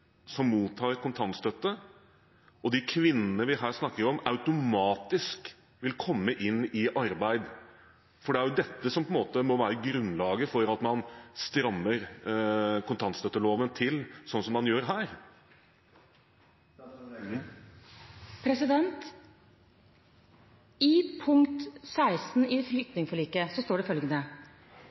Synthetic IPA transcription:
sɔmːuːt̪ʰːɑːɾkʊnt̪ʰɑnt̪st̪œt̪ːə | ɔd̪ɪkʰʋɪnːənəʋɪɦæːɾʂnɑkːəɾɔmɑʉt̪ʊmɑːt̪ɪsk | ʋɪlkʰɔmːəʔɪnːɪʔɑɾbæɪd̪ | fɔɖɛæɾjʊd̪ɛt̪ːəsɔmpʰɔɛnmoːt̪əmɔʋæːɾəɡɾʉnlɑːɡəfɔɾɑt̪mɑnst̪ɾɑmːəɾ | kʰʊnt̪ʰɑnt̪st̪œt̪ːəloːʋənt̪ʰɪlsɔnːsɔmːɑnjøːɾɦæːɾ | pʰɾɛsɪd̪ɛnt̪ | ɪpʰʊŋt̪sæɪst̪n̩ɪflʏkt̪nɪŋfɔɭiːkəsɔst̪oːɖɛfœlɡənə

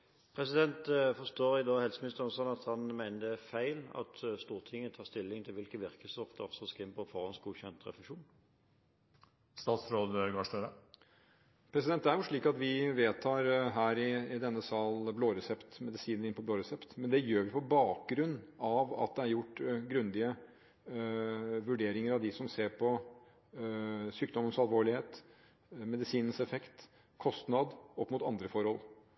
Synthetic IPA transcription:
pʰɾɛsɪd̪ɛnt̪fɔʁst̪oːɾɪd̪ɑːhɛlsəmɪnɪst̪əɾnsɔnːɑt̪hɑnmæɪnəd̪ɛfæɪlɑ̰t̪st̪uːɾt̪ʰɪŋːənət̪ʰɑːʁst̪ɪlːɪŋt̪ʰɪlʋɪlkəʋɪɾkəsɔfd̪əɔfsɔskɪmpɔfɔɾɑnsɡuːçɛnt̪ɾɛ̰fɛʂuːn | st̪ɑːt̪sɾoːd̪əɡɑːʂtœɾə | pʰɾɛsɪd̪ɛnt̪ːæɾjʊʂɭiːkɑt̪ʋɪʋeːt̪ʰɑːɾɦæːɾɪɪd̪ɛnːəsɑːlbloːɾɛsɛpt̪mɛd̪ɪsiːnəɾɪnpʰɔbloːɾɛsɛpt̪mɛnd̪ɛjøːɾʋɪpʰɔbɑːk̚ɡɾʉnːɑʋɑ̰t̪̚d̪ɛæɾjʊʈːɡɾʉnd̪ɪə | ʋʉɖeːɾɪŋəɾɑʋd̪ɪsɔmseːɾpʰɔ | syːk̚d̪ɔmənsɑlʋoːɭɪheːt̪ | mɛd̪ɪsiːnənsɛfɛkt̪ | kʰɔst̪nɑd̪ɔpːmʊt̪ɑnd̪ɾəfɔɾhɔlˠ

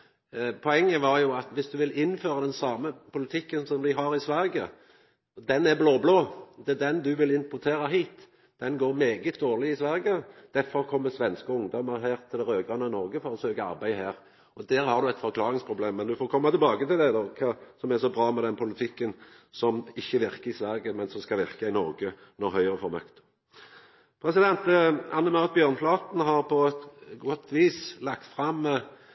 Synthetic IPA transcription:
pʰɔɛŋːəʋɑɾjʊɑt̪ʋɪsd̪ʉʋɪlɪnføːʁɑd̪ɛnsɑːməpʰʊlɪt̪ʰɪkːənsɔmd̪ɪɦɑɾɪsʋæɾɡə | d̪ɛnæɾbloːbloːd̪ɛd̪ɛnd̪ʉʋɪlɪmpʊʁt̪ʰeːɾɑɦiːt̪ | d̪̥ɛnɡoːɾmeːɡət̪̚d̪oːʁlɪɪsʋæɾɡəd̪̥æɾfɔɾkʰɔmːəsʋɛnskəʊŋd̪ɔmːəʁɦæːɾt̪ʰɪlɾøːɡɾɑnənɔɾɡəfɔɾɔsøːkəɑ̰ɾbæɪɦæːʁ | ɔd̪æːɾhɑʁd̪ʉɛt̪fɔʁkʰlɑːʁɪŋspʰɾʊbleːmːɛnd̪ʉfoːɾkʰɔmːɑt̪ɪlbɑːɡət̪ɪld̪ɛd̪oːkʰɑːsɔmɛʁsɔbɾɑːmɛd̪ɛnpʰʊlɪt̪ʰɪkːən | sɔmɪçːəʋɪʁkəɾɪsʋæɾɡəmɛnsɔmskɑlʋɪʁkɑɪnɔɾɡə | nɔɦœʏəʁəfɔɾmœkt̪ə̥ | pʰɾɛsɪd̪ɛnt̪əɑnːəmɑʊʁt̪̚bjøːʁnflɑːt̪n̩ɦɑʁpʰɔɛt̪ɡɔt̪ʰːʋiːslɑkt̪fʁɑmː

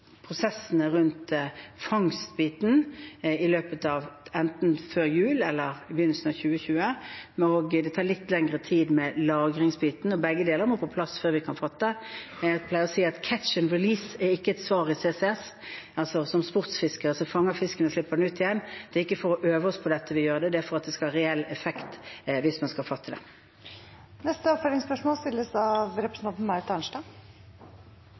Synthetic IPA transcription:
pʰɾʊsɛsːənəʁʉnt̪fɑŋst̪biːt̪nɪløːpət̪ɑʋɛnt̪nføːɾjʉːlɛlːəʁbjʏnːl̩sn̩ɑçʉːəçʉːəoːɡd̪ɛt̪ʰɑːʁlɪt̪ːlɛŋɾət̪ʰiːd̪mɛlɑːɡɾɪŋsbiːt̪nɔbɛɡːəd̪eːləɾmɔːpʰɔpʰlɑsføːɾʋɪkʰɑnfɔt̪ːə | pʰlæɪəʁɔsiːɑt̪kʰæt̪ʃənɾɪliːsɛɪkːəɛt̪sʋɑːʁɪseːsɛɛs | ɑlsɔsɔmspʊʁt̪sfɪskəʁɑlsɔfɑŋːəʁfɪskənəslɪpːəd̪ɛnʉːt̪ɪjɛnːd̪̥ɛɪkːəfɔʁɔʔøːʋəɔspʰɔd̪ɛt̪ːəʋɪjøːʁəd̪ɛd̪ɛæfɔʁɑt̪̚d̪ɛskɑlhɑʁɛɛlːɛfɛkt̪ʋɪsmɑnskɑlfɑt̪ʰːəd̪ɛ | nɛst̪əɔpfɔɪŋspœʂmoːlst̪ɪlːəsɑʋɾɛpɾəsn̩ɑnn̩mɑɾt̪ɑnʂʈɑ

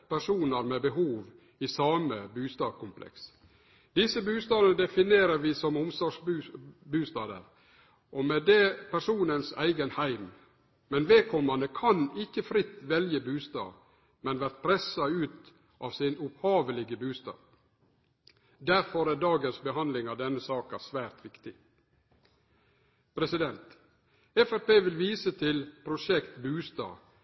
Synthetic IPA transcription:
pʰæʂuːnəɾmɛbəɦuːʋ | ɪsɑːməbʉːst̪ɑːd̪kʊmpʰlʔɛ̰ks | d̪̥ɪsəbʉːst̪ɑːd̪ənəd̪ɛfɪneːɾəɾʋɪsɔmʊmsɔʂbʉbʉːst̪ɑːd̪ə̰ɾ | ʔɔmɛd̪ɛpʰæʂuːnənsæ̰ɪɡənhæɪm | mɛnʋeːkʰɔmːɑnəkʰɑnɪkːəfɾɪt̪ːʋɛljəbʉːst̪ɑ̰ː | mɛnʋæɾt̪̚pʰɾɛsɑʉːt̪ | ʔɑːʋsɪnʊphɑːʋəlɪɡəbʉːst̪ɑ̰ː | d̪æɾfɔɾæːɖɑːɡənsbəɦɑnlɪŋɑʋd̪ɛnːəsɑːkɑsʋæːɾt̪ʋɪkt̪ɪ | pʰɾɛsɪd̪ɛnt̪ | ɛfæɾpeːʋɪlʋiːsət̪ʰɪlpʰɾʊʂɛkt̪bʉːst̪ɑ̰ː

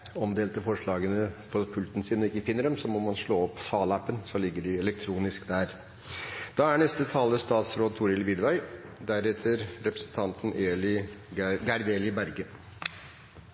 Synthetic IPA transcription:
ɔmd̪eːlt̪əfɔʂɭɑːɡənəfɔɾpʰʉlt̪n̩siːnɔɪkːəfɪnːəɖɛmsɔmɔmɑnʂɭoːɔpːsɑːlɑpːənsɔlɪɡːəɖɪɛlɛk̚t̪ʰɾuːnɪskd̪æːɾ | d̪̥ɑːæɳɛst̪ət̪ʰɑːləst̪ɑːt̪sɾoːt̪ʰʊːɾɪlʋɪd̪ʋæɪd̪æɾɛt̪ʰəɾɾɛpɾəsnt̪ʰɑnt̪n̩eːlɪ | ɡæɾd̪eːlɪbæɾɡə

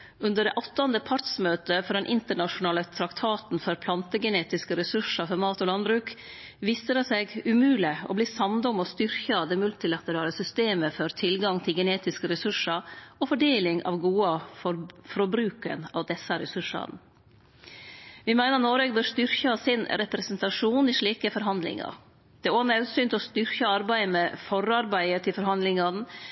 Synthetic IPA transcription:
ʉnd̪əɖɛʔɔt̪ːɑnd̪əpʰɑɾt̪smøːt̪əfɔɾɛnʔɪnt̪əɳɑʂʊnɑːlət̪ʰɾɑkt̪ʰɑːt̪n̩fɔɾpʰlɑnt̪əɡɛneːt̪ɪskəɾɛsʉʂɑfɔɾmɑːt̪ɔːlɑnbɾʉːk | ʋiːsəd̪ɛseːɡʉmʉːlɪɔ̰bliːsɑmd̪ɔmɔst̪ʏɾçɑɑʋd̪ɛmʉlt̪ɪlɑt̪əɾɑːləsʏst̪eːməfɔɾt̪ʰɪlɡɑŋt̪ʰɪlɡɛneːt̪ɪskəɾɛsʉʂɑɾɔfɔɖeːlɪŋʔɑ̰ʋɡuːɑɔfɾɔbɾʉːkə̰nɑ̰ːʋd̪ɛsːəɾɛsʉʂɑ̰n | ʋɪmæɪnəɾnoːɾeɡbøːɾst̪ʏɾçɑsɪnɾɛpɾɛsənt̪ɑʂuːnɪʂɭiːkəfɔɾɦɑnd̪lɪ̰ŋɑ̰ɾ | d̪̥ɛæɾonɑʉsyːnt̪ɔst̪ʏɾkəɑɾbæɪəmɛfɔɾɑɾbæɪət̪ʰɪlfɔɾhɑnd̪lɪŋɑn

